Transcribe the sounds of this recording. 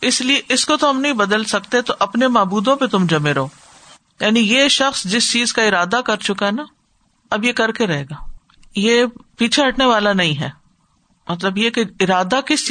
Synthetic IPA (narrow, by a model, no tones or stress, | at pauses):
ɪslieʔɪskot̪oɦɐmnɐɦĩbɐd̪əlsɐkt̪et̪oʔɐpnemaːbuːd̪õpet̪ʊmd͡ʒɐmeɾɐɦoː | jaːnijeʃɐxsd͡ʒɪst͡ʃiːzkaɪɾaːd̪akɐɾt͡ʃʊkaɦɛna | ɐbjekɐɾkeɾɐɦeːɡaː | jeːpiːt͡ʃʰeɦɐʈneʋaːlanɐɦĩɦɛː | mɐt̪̬ləbjekeɪɾaːd̪akɪs